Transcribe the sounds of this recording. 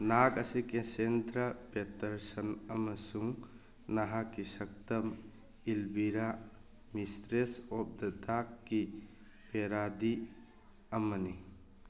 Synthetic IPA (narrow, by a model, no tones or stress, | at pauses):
naɡɐsikesendɾɐpetɐɾsɐnɐmɐsuŋ | naɦakːisɐk̚tɐm | ilbiɾa | mistɾesɔp̚dɐdakːi | peɾadi | ɐmɐni